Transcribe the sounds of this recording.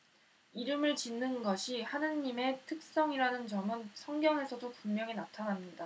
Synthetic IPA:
iɾɯmɯɭt͡ɕinːɯnɡʌɕʰihanɯɲːime̞tʰɯk̚s͈ʌŋiɾanɯnt͡ɕʌmɯnsʰʌŋɡjʌŋɦe̞sʰʌdopuŋmjʌŋinatʰanɦamɲida

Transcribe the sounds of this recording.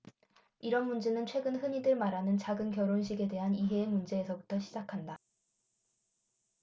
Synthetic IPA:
iɾʌnmund͡ʑe̞nɯnt͡ɕʰwe̞ɡɯnhɯɲidɯɭmaɾɦanɯnt͡ɕaɡɯnkjʌɾonɕ̬ʰiɡe̞de̞ɦaniɦe̞ːmund͡ʑe̞ːsʰʌbutʰʌɕʰid͡ʑakʰanda

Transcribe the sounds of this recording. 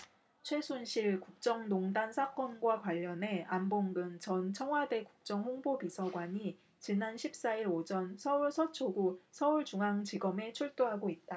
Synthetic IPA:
t͡ɕʰwe̞sʰunɕʰiɭkuk̚t͡ɕ͈ʌŋnoŋdansʰak͈ʌnɡwakwaʎːʌne̞amboŋɡɯnt͡ɕʌnt͡ɕʰʌŋwade̞kuk̚t͡ɕ͈ʌŋɸoŋbobisʰʌɡwaɲi | t͡ɕinanɕʰip̚s͈aiɾod͡ʑʌnsʰʌuɭsʰʌt͡ɕʰoɡusʰʌuɭt͡ɕuŋɦaŋt͡ɕiɡʌme̞t͡ɕʰuɭt͈oɦaɡoit̚t͈a

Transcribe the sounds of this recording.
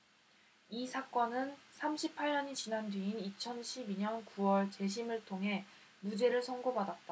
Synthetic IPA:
isʰak͈ʌnɯnsʰamɕʰipʰaɭɲʌɲit͡ɕinandɥiinit͡ɕʰʌnɕʰibiɲʌnkuwʌɭt͡ɕe̞ɕ̬ʰimɯɭtʰoŋɦe̞ | mud͡ʑe̞ɾɯɭsʰʌŋɡobadat̚t͈a

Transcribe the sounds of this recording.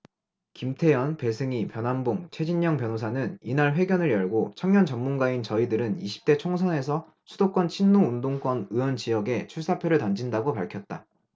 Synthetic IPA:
kimtʰe̞jʌnpe̞sʰɯŋipjʌnɦanboŋt͡ɕʰe̞d͡ʑiɲːʌŋpjʌnos̬ʰanɯninaɭɸwe̞ɡjʌnɯɾjʌɭɡot͡ɕʰʌŋɲʌnt͡ɕʌmːunɡaint͡ɕʌidɯɾɯniɕʰi̥p̚t͈e̞t͡ɕʰoŋsʰʌne̞sʰʌ | sʰudok͈wʌnt͡ɕʰinːoundoŋk͈ʌnɯʌnt͡ɕijʌɡe̞t͡ɕʰuɭs͈apʰjoɾɯɭtand͡ʑindaɡopaɭkʰjʌt̚t͈a̰

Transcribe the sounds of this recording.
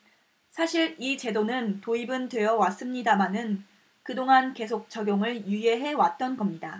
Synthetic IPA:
sʰaɕʰiɭit͡ɕe̞donɯntoibɯntwe̞jʌwas͈ɯmɲidamanɯn | kɯdoŋanke̞s̬ʰok̚t͡ɕ͈ʰʌɡjoŋɯɭjuje̞ɦe̞wat̚t͈ʌnɡʌmɲida

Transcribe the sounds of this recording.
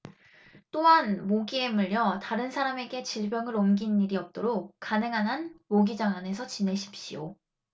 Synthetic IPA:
t͈oɦanmoɡie̞muʎːjʌtaɾɯnsʰaɾame̞ɡe̞t͡ɕiɭbjʌŋɯɾomɡinːiɾiʌp̚t͈oɾok̚k͈ːanɯŋɦanɦanmoɡid͡ʑaŋane̞sʰʌt͡ɕine̞ɕʰi̥p̚ɕ͈ijo̰

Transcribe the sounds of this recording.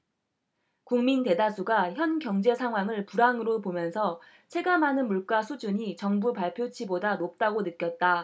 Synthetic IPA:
kuŋminte̞dasʰuɡaçjʌnkjʌŋd͡ʑe̞sʰaŋɦwaŋɯɭpuɾaŋɯɾopomjʌnsʰʌ | t͡ɕʰe̞ɡamɦanɯnmuɭk͈asʰud͡ʑuɲit͡ɕʌŋbupaɭpʰjot͡ɕʰibodanop̚t͈aɡonɯk͈jʌt̚t͈a

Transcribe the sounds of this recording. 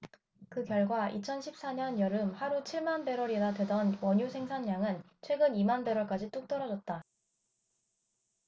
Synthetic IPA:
kɯkjʌɭɡwait͡ɕʰʌnɕʰip̚s͈aɲʌnjʌɾɯmhaɾut͡ɕʰiɭmanbe̞ɾwʌɾenadwe̞dʌnwʌɲusʰe̞ŋsʰanːaŋɯn | t͡ɕʰwe̞ɡɯnimanbe̞ɾwʌɭk͈ad͡ʑit͈uk̚t͈ʌɾʌd͡ʑʌt̚t͈a

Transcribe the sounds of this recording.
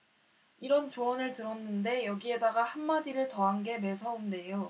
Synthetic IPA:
iɾʌnt͡ɕoʌnɯɭtɯɾʌnːɯnde̞jʌɡie̞daɡahanmadiɾɯɭtʌɦanɡe̞me̞sʰʌunde̞jo

